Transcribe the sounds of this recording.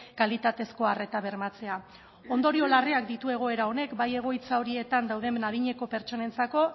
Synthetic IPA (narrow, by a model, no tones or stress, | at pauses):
kalit̪at̪e̞sko̞are̞t̪aβe̞ɾmat͡se̞a | o̞nd̪o̞ɾio̞lareak̚d̪it̪ue̞ɣ̞o̞e̞ɾao̞ne̞kbaje̞ɣ̞o̞jt͡sao̞ɾie̞t̪and̪awð̞e̞mnaðiɲe̞ko̞pe̞ɾt͡ʃo̞ne̞nt͡sako̞